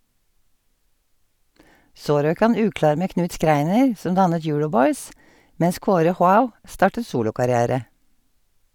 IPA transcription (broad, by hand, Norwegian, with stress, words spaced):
ˈsoː ˈɾøːk ˈhɑn ˈʉːˌklɑːɾ ˈmeː ˈknʉːt ˈskɾæɪnəɹ ˈsɔn ˈdɑnət ˈjʊːɹɔˌbɔʏs ˈmɛns ˈkoːɾə ˈhwaʊ ˈstɑːʈə ˈsuːlʊkɑɾɪˌæːɾə